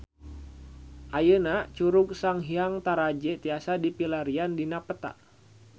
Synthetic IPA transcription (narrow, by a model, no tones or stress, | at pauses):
ʔajənat͡ʃuɾuk̚saŋɦiaŋt̪aɾad͡ʒɛt̪iasadipilaɾiandinapət̪a̰ʔ